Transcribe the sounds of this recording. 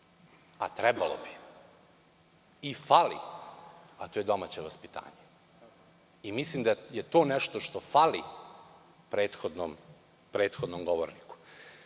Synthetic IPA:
a̰t̪ɾɛbalo̰bi̥ | ifalḭ | at̪ojed̪o̞maːt͡ɕeʋaspit̪a̰ːɲe | imislimd̪ajet̪o̞ːnɛʃt̪oʃt̪o̞fali | pɾeːt̪xod̪nom | pɾeːt̪xod̪nomɡoʋoɾniku̥

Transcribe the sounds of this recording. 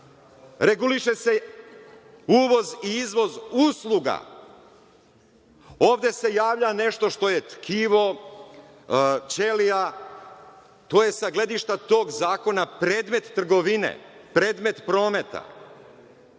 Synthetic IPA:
ɾe̞ɡuliʃese̞ | uːʋo̞ziizʋo̞zuslˠuɡa̰ | o̞ːʋd̪e̞se̞jaːʋʎane̞ʃt̪o̞ʃt̪o̞jet̪kʰiːʋo̞ | t͡ʃe̞lia | t̪o̞ːje̞saɡled̪iʃt̪at̪o̞ːɡzaːko̞napɾe̞ːd̪me̞t̪ːr̩ɡo̞ʋinḛpɾe̞ːd̪me̞t̪pɾo̞ːme̞t̪a̰

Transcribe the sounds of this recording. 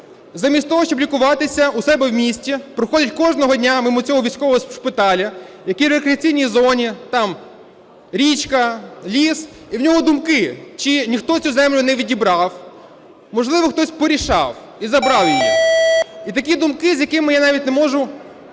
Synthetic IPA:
zɐmʲisʲt̪ʲɔɦɔʃt͡ʃɔblʲikʊʋɑt̪ɪsʲɐusɛbɛwmʲisʲtʲipɾɔxɔdʲɐtʲkɔʒnɔɦɔdʲnʲamɐmut͡sʲɔɦɔʋʲijsʲkɔʋɔɦɔsspɪt̪ɑlʲɐjɐkiɾekɾʲeɐt͡sʲijnʲijzɔnʲit̪ɑm | ɾʲit͡ʃkɐlʲis | iwnʲɔɦɔd̪ʊmkɪt͡ʃinʲixt̪ɔt͡sʲuzɛmlʲʊnɛʋʲidʲibɾɑw | mɔʒlˠɪʋɔxt̪ɔsʲpɔɾʲiʃɑw | izɐbɾɑwjiji | it̪ɐkʲid̪ʊmkɪzʲjɐkɪmɪjanɑʋʲit̚ʲnemɔʒʊ

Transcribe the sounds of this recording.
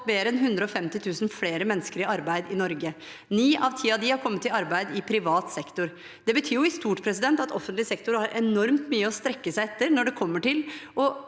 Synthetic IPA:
meːɾəɛnɦʉnd̪ɾəɔfɛmt̪ɪt̪ʰʉːsn̩fleːɾəmɛnːəskəɾɪɑɾbæɪd̪ɪnɔɾɡə | niːʔɑʋt̪ʰiːɑd̪ɪhɑɾkʰɔmːət̪ːɪlɑɾbæɪd̪ɪpʰɾɪʋɑːt̪sɛkt̪ʊɾ | d̪̥ɛbət̪ʰyːjʊɪst̪uːʈpʰɾɛsɪd̪ɛnt̪ɑt̪ʰɔfːənt̪lɪsɛkt̪ʊɾhɑɾʔɛnɔɾmt̪myːəɔst̪ɾɛkːəsæɪɛt̪ːəɾnɔɖɛkʰɔmːəʈɪlɔ

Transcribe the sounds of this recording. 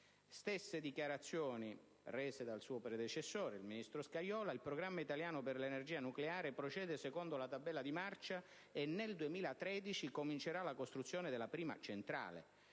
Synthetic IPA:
st̪esːed̪ikjaɾat̪sːjoːni | rɛːzed̪alsuːopɾɛd̪et͡ʃesːoːɾeilminist̪ɾoskajɔːlailpɾoɡɾamːait̪aljaːnʊperlenerd͡ʒiːanukleaːɾepɾot͡ʃɛːd̪esekond̪olat̪abːɛlːad̪imart͡ʃa | enːeld̪uemiːlat̪ɾɛːd̪it͡ʃikomint͡ʃeɾalakost̪ɾut̪sːjoːneɪd̪elːapɾiːma̰t͡ʃent̪ɾa̰ːlḛ

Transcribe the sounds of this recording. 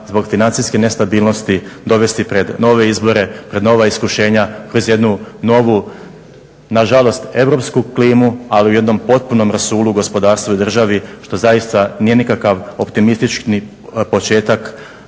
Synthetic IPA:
zbo̞ɡfinant̪siske̞ne̞st̪abiːlˠno̞st̪id̪o̞ʋe̞st̪ipɾe̞d̪no̞ʋe̞izbo̞ɾe̞pɾe̞d̪no̞ʋaiskuʃe̞ːɲakɾo̞zje̞d̪nuno̞ʋu | naʒalˠo̞st̪e̞ʋɾo̞pskukliːmualiuje̞d̪no̞mpo̞t̪̚puno̞mɾasuːlˠuɡo̞spo̞d̪aːɾst̪ʋuud̪r̩ʒaʋiʃt̪o̞zajist̪anije̞nikakaʋo̞pt̪imist̪it͡ʃkni | po̞t͡ʃe̞ːt̪ak

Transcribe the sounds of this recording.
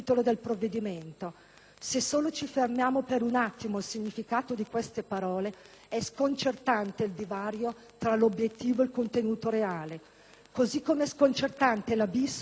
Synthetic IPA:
t̪olod̪elpɾovːed̪iment̪o | sesːoːlot͡ʃifermjaːmopeɾunat̪ːimoilsiɲːifikaːt̪od̪ikwest̪epaɾɔːle | ɛskont͡ʃert̪ant̪eild̪ivaːɾjo | t̪ɾalobjet̪ːiːvoelkont̪enuːt̪oɾeaːle | kozikːomeɛskont͡ʃert̪ant̪elabis

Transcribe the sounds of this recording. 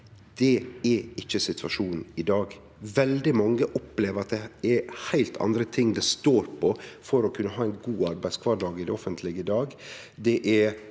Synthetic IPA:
d̪̥ɛɛɪçːəsɪt̪ʰʋɑʂuːnn̩ɪd̪ɑːɡ | ʋɛld̪ɪmɑŋːəʔɔpleːʋəɾɑt̪̚d̪ɛɛɾhæɪlt̪ʰɑ̰nd̪ɾət̪ʰɪŋːd̪ɛst̪oːɾpʰɔfɔɾɔkʰʉnːəɦɑːæɪnɡuːɑɾbæɪskʰʋɑːɖɑːɡɪd̪ɛɔfənt̪ʰlɪɡəɪd̪ɑːɡ | d̪ɛʔɛ

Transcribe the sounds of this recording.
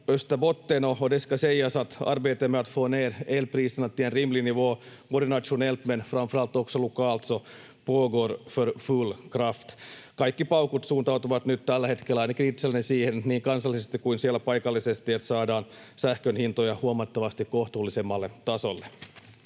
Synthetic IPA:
øst̪æbot̪ːenoodeskɑsejɑsɑt̪ɑ̰rʋeːt̪emøæt̪foːneːrelpriːst̪ɑnɑt̪ːienrimliniʋoːmoɾinɑt̪ʃunelt̪menfrɑmfrɑlt̪ːoksolukɑːlt̪so | poːɡorførfulkrɑft̪ | kɑikːipɑukut̪suːnt̪ɑut̪uʋɑt̪nyt̪t̪ælːæhet̪kelːæɑinɑkiit̪ːselːnesiːhenniːŋkɑnsɑlːˑisest̪ikuinsielːæpɑjkɑlːisest̪iet̪sɑːdɑːn | sæhkønhint̪ojɑhuomɑt̪ːɑʋɑst̪ikkoht̪uːlːisemːɑlːet̪ɑsolːe

